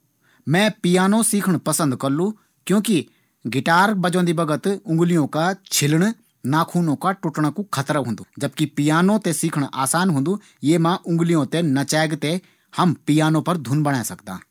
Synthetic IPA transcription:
mɛ̃ːpɪjaːnõsiːkʰəɳ̃pəsə̃nd̪kəɾlũː | kjõːki | ɡɪʈaːɾbəd͡ʒõːnd̪iːbəɡət̪ʊ̃ŋɡlɪjõːkat͡ʃʰɪlɳ̃ | naːkʰuːnõːkaːʈʊʈɳ̃akũkʰət̪ɾəɦʊ̃nd̪uːd͡ʒəb̚kipɪjaːnõːt̪eːsiːkʰəɽ̃aːsaːnɦʊ̃nd̪uː | jeːmãːʔʊ̃ŋɡlɪjõːt̪eːnɐt͡ʃɛːɡt̪e | hɐmpɪjaːnõːpəɾd̪ʱʊnbəɽ̃ɛːsɐkd̪ã̰ː

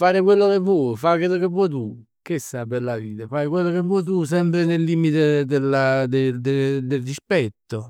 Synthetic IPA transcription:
faːɾɪkwelːokepːwɔjfakwelːokepːwɔjt̪̬u | k̟isapeɾlaviːt̪afajkwelːok̬epːwɔjt̪̬us̬ɛmpɾɪnelːiːmit̪ed̪elːad̪ed̪ed̪eld̪ispɛt̪ːo

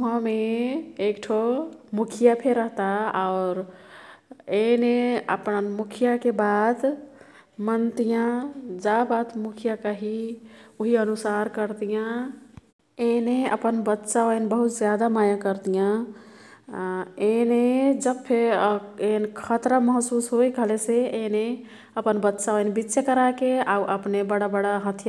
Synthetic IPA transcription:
ɦə̃meekʈʰomukʰijapʰeɾəɦt̪aaʊɾ | eneə̰pnənmukʰijakebad̪ | mənt̪ijãd͡ʒabat̪mukʰijakəɦiuɦiənusaɾkəɾt̪ijã | eneə̰pənbətːʃaəinbəɦut̪zjad̪amajakəɾt̪ijã | ened͡ʒəbpʰeenkʰət̪ɾəməɦsusɦojkəɦleseene | əpənbət̪ːʃaonbitːʃəkəɾakeauʔəpnebəɽabəɽaɦət̪ʰja

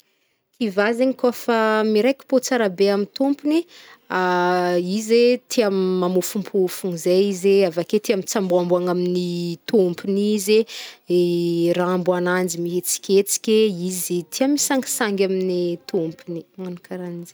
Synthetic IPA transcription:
k̪ʰivazeɲikofamiɾejkʲi̥pot͡saɾabeamint̪umpuniaizet̪ʰiamːamufumpʰufuŋizeizeavaket̪iamit͡sambuambaŋaminit̪umpinizeeraambuanand͡zimiɦet͡si̥kʲet͡si̥kʲeizit̪ʰiamisaŋɡi̥saŋɡʲaminit̪umpinimanikʰaɾanize

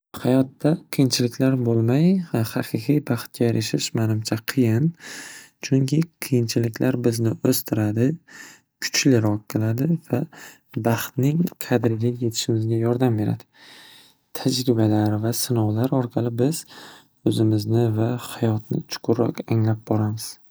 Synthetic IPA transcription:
hajɒt̪ːaqʰɨjɪnt͡ʃʰɪlɪkʲlaɾbolˠmajhɑqʰɨqijbɑχt̪̚kʲajaɾʔaʃɪʃmanɪmt͡ʃʰaqʰɨjɪnt͡ʃʰʊŋkʲʰɪqʰɨjɪnt͡ʃʰɪlɪkʲlʔaɾbɪznɪʔɵst̪ʰɪɾad̪ɪ | kʲʰʊ̥t͡ʃlɪɾɒqːɨlˠad̪ɪva | bɑχt̪nɪŋqʰɑd̪ɪɾɪɡʲaje̞t̪ʰɪ̥ʃɪmɪzɡʲajɒɾd̪ambe̞ɾa̰d̪ɪ̥ | t̪ʰad͡ʒɾɪbalaɾvasɪnɒwlaɾɒɾqʰɑlˠɪbɪz̥ | ɵzɪmɪznɪvahajɒt̪nɪ̰t͡ʃʰʊ̥qʰʊɾːɒ̰qaŋlap̚bɒɾamɪz̥

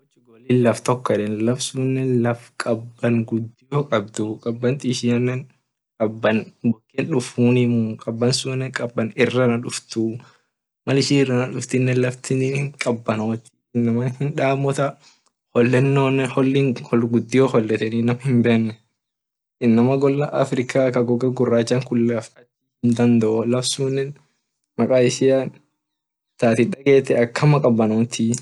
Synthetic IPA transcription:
wt͡ʃːɪɡɔlinlɐft̪ɔkːɔɛᶑɛnlɐfsunːɛlɐfkʼɐbːɐŋɡʊd̪ːɪjoːkʼɐb̚d̪ʊkʼɐbːɐnt̪ʼiʃɪɐnːɛn | kʼɐbːɐnbɔkːenᶑʊfuːnɪmukʼɐbːɐnsʊnːɛkʼɐbːɐnɪrːɐnɐᶑʊft̪u | mɐlɪʃɪɪrːɐnɐᶑʊft̪ɪnːɛlɐft̪ɪninɪŋkʼɐbːɐnwɐt̪ːi | ɪnːɐmɐnhɪnᶑaːmɔt̪ɐ | hɔlːɛnːoːnɛhɔlːiːŋhɔɡʊd̪ːɪjoːhɔlːɛt̪ɛninɐmɐhɪmbeːnːɛ | ʔɪnːɐmɐɡɔlːɐʔɐ̰fɾɪkaːkɐɡɔɡɐɡʊrːaːd͡ʒɐŋkʊlːafɐt͡ʃːiɪnd̪ɐnd̪ɐʔɔlɐfsuːnːɛn | mɐkʼaːɪʃɪan | t̪aːt̪ɪᶑɐɡeːt̪ːɛɐkːɐmɐkʼɐbːɐnoːt̪ʰi

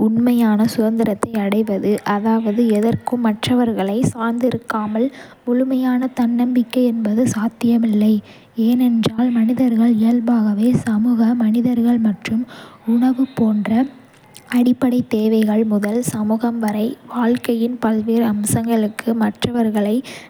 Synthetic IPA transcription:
ʊɳmɐjaːnɐsʊðɐnd̪ɪɾɐt̪ːɐɪɐɽɐɪʋɐðɯʔɐðaːʋɐðɯɛðɐrkɯmːɐʈrɐʋɐɾɣɐɭɐɪsaːɾnd̪ɪɾɯkːaːmɐl | mʊɻʊmɐjaːnɐt̪ɐnːɐmbɪkːɐɪɛnbɐðɯsaːt̪ːɪjɐmɪlːɐɪ | eːnɛndraːlmɐnɪðɐɾɣɐɭɪjɐlbaːɣɐʋeːsɐmuːɣɐmɐnɪðɐɾɣɐɭmɐʈrɯmʊɳɐʋɯpoːndrɐ | ɐɽɪpːɐɽɐɪt̪ːeːʋɐɪɣɐɭmʊðɐlsɐmuːɣɐmʋɐɾɐɪʋaːɭkɐjɪnpɐlʋiːɾɐmsɐŋɡɐɭɯkːɯmɐʈrɐʋɐɾɣɐɭɐɪ

